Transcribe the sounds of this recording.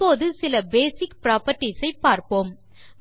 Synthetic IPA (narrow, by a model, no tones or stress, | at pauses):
oːðɯsɪlɐbeːsɪkpɪɾaːpɐʈːisɐɪpːaːɾpoːm